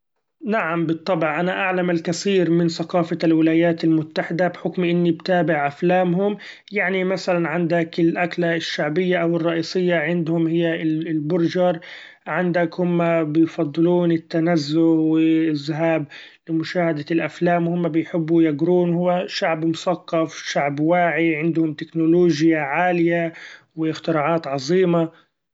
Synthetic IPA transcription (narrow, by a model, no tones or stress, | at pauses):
naʕambɨt̪ˤːɑbʕʔanaʔaʕlamalkaθiːɾmɪnθaqɑːfalwɪlaːjaːt̪almʊt̪ːaħɪd̪abħʊkmʔɪnːibt̪aːbɪʕʔaflaːmhʊm | jaʕnimaθalanʕɪnd̪akɪlʔaklaʃːaʕbɪjːaʔawɪrˤːɑʔiːsˤɨjːaʕɪnd̪hʊmhɪjːalbʊɾd͡ʒɑɾˤ | ʕɪnd̪akhʊmːabɪjfɑd̪ˤːɨluːnɪt̪ːanazːʊwɪɪzɦaːblɪmʊʃaːhad̪alʔaflaːmhʊmːabɪjħɪbːujaɡɾuːnhʊwːaʃaʕbmʊsɑqːɑfʃaʕbwaːʕiʕɪnd̪hʊmt̪ɪknʊloːʒjaʕaːlɪja | wɪɪxt̪ɪɾɑːʕɑːt̪ʕɑzˤiːma